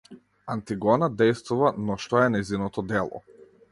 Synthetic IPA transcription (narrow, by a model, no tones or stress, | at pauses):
ant̪iɡɔnad̪ɛjst̪vuvanɔʃt̪ɔɛnɛjzinɔt̪ɔd̪ɛlˠɔ̰